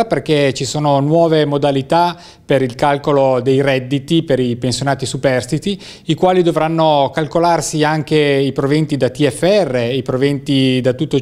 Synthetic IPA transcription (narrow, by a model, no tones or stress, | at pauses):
aperket͡ʃisoːnonwɔːvemod̪alit̪a | peɾilkalkolod̪ejrɛd̪ːit̪ipeɾipensjonaːt̪isupɛrst̪it̪i | ikwaːlid̪ovɾanːokalkolarsiaŋkeipɾovent̪id̪at̪iɛfːeɛrːeipɾovent̪id̪at̪ut̪ːo